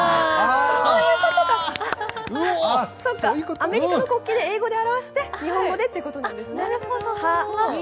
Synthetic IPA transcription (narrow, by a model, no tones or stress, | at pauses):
sooːjɯːkot̪oɡa | sokːajɯkoame̞ɾʲikanoko̞kʲːiːd̪e̞eːɡo̞d̪e̞aɾaβaɕi̥t̪e̞ɲ̟ihõ̞ŋɡo̞d̪e̞t̪ːeiɯ̟ko̞t̪o̞ñnd̪esɨneha